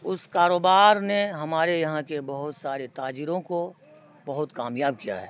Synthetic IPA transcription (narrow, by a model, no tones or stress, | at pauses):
ʊskaːɾoːbaːɾneɦɐmaːɾejɐɦãkebɐɦʊt̪saːɾet̪aːd͡ʒiɾõko | bɐɦʊt̪kaːmjaːb̚kija̰ɦɛː